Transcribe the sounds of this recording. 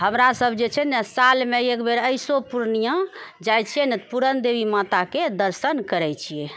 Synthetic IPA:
ɦəmɾasəbʱd͡ʒet͡ʃʰɛnɛsalmeekbeɾəjsopuɾnijãd͡ʒajt͡ʃʰijɛnɛpuɾənd̪ebimat̪aked̪əɾsənkəɾɛt͡ʃʰijɛ

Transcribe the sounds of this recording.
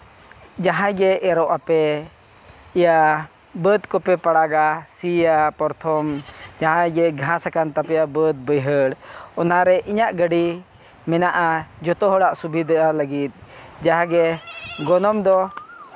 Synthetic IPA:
d͡ʒaɦãɡɛːɾɔʔapɛ | ija | bəd̪kɔpɛpaɽaɡasijapɔɾt̪ʰɔmd͡ʒaɦãɡɛɡʱãsakant̪apɛjabəd̪̚bəjɦəɽɔnaɾɛʔiɲaʔɡəɖi | mɛnaʔad͡ʒɔt̪ɔɦɔɽaʔsubʱid̪əʔaləɡit̪̚ˀ | d͡ʒaɦãɡɛɡɔnɔmd̪ɔ

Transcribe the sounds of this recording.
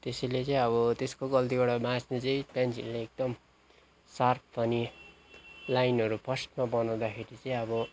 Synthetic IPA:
t̪esʌjlet͡sʌĩʌβʌt̪eskoɡʌlt̪ibaɽamãsnet͡sʌĩpjant͡sinleek̚d̪ʌm | sarpʰpʌni | lajnʌɾupʰʌsʈmabʌnawd̪akʰeɾit͡sʌĩʌbʌ

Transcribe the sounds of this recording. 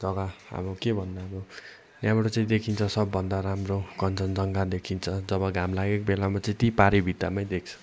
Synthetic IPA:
d͡zʌɡaa̰mokebʱʌnd̪abo | njamɾot͡saĩd̪ekʰint͡sʰʌsʌbːʌnd̪aɾamrokʌnt͡sʌnd͡zʌŋɡad̪ekʰint͡sʰʌd͡zʌβʌɡʱamlaɡekobelamat͡saĩt̪ipaɾibʱit̪amaj̃d̪ek̚ʰt͡sʰʌ̥

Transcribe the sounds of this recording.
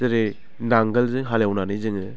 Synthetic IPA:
eɾe | naŋɡəlzɯŋɦaljawnanɯjzɯŋɯ

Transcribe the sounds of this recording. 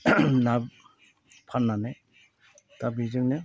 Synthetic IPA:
na | pʰanːane | tabizɯŋne

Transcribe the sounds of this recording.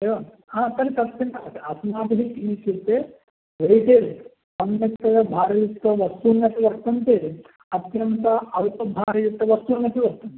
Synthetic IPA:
eʋɐn | aːt̪ɐɾet̪ɐt̪jɐnt̪ɐɐt̪ɐsɐmaːd̪ɐɦikinit͡ʃet̪ːe | ʋejʈeːɾ | ɐnːɐkt̪ːɐjɐbʱaːɾɐjut̪ːɐʋɐst̪unːɐt̪iʋɐɾt̪ɐnt̪e | ɐt̪jɐnt̪ɐɐlpɐbʱaːɾɐjut̪ːɐʋɐst̪uːnːɐt̪iʋɐɾt̪ɐnt̪

